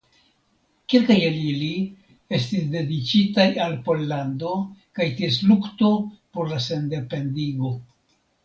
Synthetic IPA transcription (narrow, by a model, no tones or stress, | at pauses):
kelkajelili | e̞stisde̞dit͡ʃitajalpo̞lːando̞kajties̬lukto̞po̞ɾlase̞nde̞pe̞ndiɡo̞